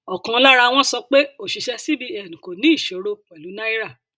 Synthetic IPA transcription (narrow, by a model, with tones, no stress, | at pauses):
ɔ˨kã˨˦la˦ɾa˧w̃ɔ̃˦sɔ˧k͡pe˦o˦˨ʃi˨ʃɛ˧si˦bi˧ɛ˨nũ˨ko˨nĩ˦i˦˨ʃe˨˦ɾo˧wɛ˨lu˨˦nã˦i˦ɾa˦˨